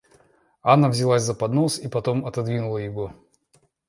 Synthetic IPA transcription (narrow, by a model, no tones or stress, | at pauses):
anːavzʲɪlˠazʲzɐpɐd̪no̞sipɐt̪o̞mɐt̪ɐd̪vʲinʊlˠəjɪɡo